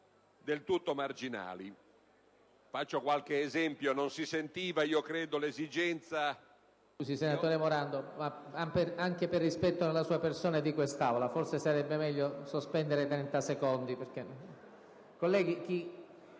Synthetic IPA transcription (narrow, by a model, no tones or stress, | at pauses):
d̪elt̪ut̪ːomard͡ʒina̰ːli | fat͡ʃːokwalk̟eːzɛmpjononsisent̪iːvaiːokɾɛːd̪olezid͡ʒɛnt̪sa | usisenat̪oːɾemoɾand̪omaaperaŋk̟eperːispɛt̪ːonelːasuːapersoːnad̪ikwest̪aːolaforsesaɾɛbːemɛʎːosospɛnd̪eɾet̪ɾɛnt̪asekond̪ipeɾk̟e | kolːɛːɡik̟i